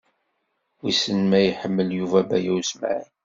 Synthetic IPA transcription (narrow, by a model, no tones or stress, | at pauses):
wisənmæjħəmːəljuvæbæ̰jæwsma̰ʕin